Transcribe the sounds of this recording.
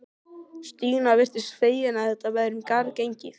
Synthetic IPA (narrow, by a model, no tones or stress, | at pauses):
st̪iːnavɛr̥t̪ɪsfeːjjɪnaɛt̪ːavɛɾʏmkaɾcejɲcɪθ